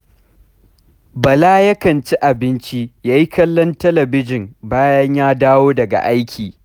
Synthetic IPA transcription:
bɐ˨laː˦jɐ˦kɐ˨nt͡ʃi˦ʔa˨bɪ˦nt͡ʃi˦jaː˦ji˦kɐ˦lːɔ˦ntɐ˦lɐ˨bɪ˦d͡ʒɪ˨mbaː˦jɐ˦ɲjaː˦daː˦woː˦dɐ˨ɡa̰˨ʔa˦jkʲʰiː˨

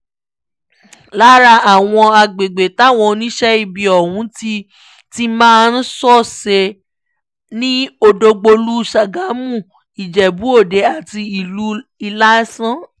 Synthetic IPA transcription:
la˦ɾa˧a˨w̃ɔ̃˧a˧ɡ͡be˨ɡ͡be˨ta˨˦˨w̃ɔ̃˧nĩ˦ʃɛ˦i˦˨bi˧ɔ˨wũ˨˦ti˧ | ti˦mãː˦˧n̩˦sɔ˦˨se˧ | nĩ˦o˧do˧ɡ͡bo˧lu˦˨ʃa˨ɡa˨˦mũ˦˨ | i˨d͡ʒɛ˨bu˨˦o˦˨de˨˦a˨ti˧i˨lu˨˦i˧la˦sã˦

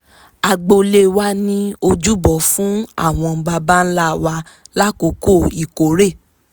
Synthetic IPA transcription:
a˨ɡ͡bo˧le˧wa˦nĩ˦o˧d͡ʒu˦bɔ˨˦fũ˦a̰˦˨w̃ɔ̃˧ba˧ba˦n̩˦la˦˨wa˧ | la˦ko˨˦ko˦˨i˨ko˨˦ɾe˦˨

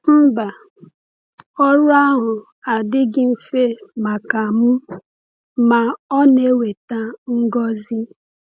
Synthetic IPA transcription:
m̩˦ba˨ | ɔ˦ɾʊ˦a˦ɦʊ˨ | a˨dɪ˦ɡɪ˦m̩˦fe˦ma˨ka˨mʊ˦ | ma˨ɔ˦ne˦we˨ta˦ŋ̩˦ɡɔ˦zi˦

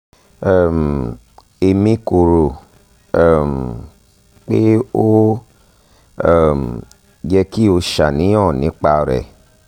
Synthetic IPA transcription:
ɛ˨m˨ | e˧mĩ˦ko˨ɾo˨ | m˨ | k͡pe˦o˦˨ | m | d͡ʒɛ˧ki˦o˧ʃa˨nĩ˨˦ɔ̃˦˨nĩ˨˦k͡pa˧˨ɾɛ̰˨

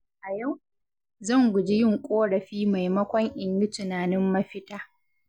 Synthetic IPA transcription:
ʔa˨ja˦˨w | zɐ˦˨ŋɡʷʊ˨d͡ʒɪ˦jɪ˦ŋkʷʼoː˦ɽɐ˨ɸiː˦ma˨jmɐ˦kʷɔ˦ŋʔɪ˨ɲjɪ˦tʊ˨naː˨nɪ˦mːɐ˦ɸɪ˦taː˦

